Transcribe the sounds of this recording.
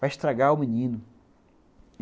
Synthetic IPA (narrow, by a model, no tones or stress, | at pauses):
vaɪʃt̪ɾaɡaʊminĩnʊ